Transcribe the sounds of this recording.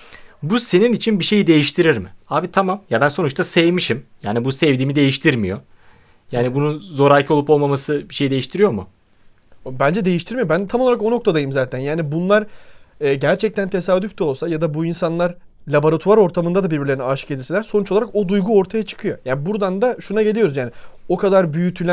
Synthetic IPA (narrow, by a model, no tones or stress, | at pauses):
buse̞ninit͡ʃʰinbiʃe̞jid̪e̞jiʃt̪ʰiɾiɾmɪaːbit̪ʰamamjabænso̞nut͡ʃt̪ʰasɛvmiʃimjaːnibusɛvd̪iːmid̪e̞jiʃt̪ʰiɾmḭjo̞ | jaːnibununzo̞ɾajcʰoupo̞lˠmamasɯbiʃe̞jid̪e̞jiʃt̪ʰiɾijo̞mʊ | obænd͡ʒɛd̪e̞jiʃt̪ʰiɾmijo̞bænt̪ʰamoaɾako̞no̞k̚t̪ʰad̪ajɯmzaːt̪ʰænjaːnibunlˠaɾː | ɟæɾt͡ʃʰɛc̚t̪ʰænt̪ʰe̞saːd̪yfʲt̪ʰɛo̞lˠsajad̪abuinsanlˠaɾ | lʲabo̞ɾat̪ʰuaɾo̞ɾt̪ʰamɯnd̪ad̪abiɾbiɾlʲenaʃɯ̥ce̞d̪ʲiselʲæɾso̞nut͡ʃolˠaɾako̞d̪ujɡuo̞ɾt̪ʰajat͡ʃʰɯ̥kʰɯjo̞jaːnbuɾd̪and̪aʃunaɟeijo̞ɾuzjaːnio̞kʰad̪aɾbyjyt̪ʰylʲæ